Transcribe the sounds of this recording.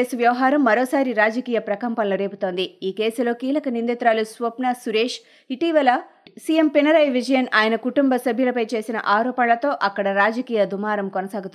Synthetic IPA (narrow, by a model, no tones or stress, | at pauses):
eːsuʋjɐʋɐɦaːɾɐmːɐɾoːsaːɾiɾaːd͡ʒɐkiːjɐpɾɐkɐmpɐnloːɾe̞ːput̪o̞ːnd̪iiːkeːsulo̞ːkiːlɐkɐnind̪it̪ɾaːlusʋɐpnasuɾeːʃ | iʈiːʋɐlɐ | sijempinɐɾɐjʋid͡ʒɐjɐnaːjɐnɐkuʈumbɐsɐbʱjulɐpɐjt͡ʃe̞ːsinɐ̰ʔaːɾoːpɐnlɐt̪o̞ːʔɐkːɐɽɐɾaːd͡ʒɐkiːjɐd̪ʱumaːɾɐmkonɐsaːɡut̪u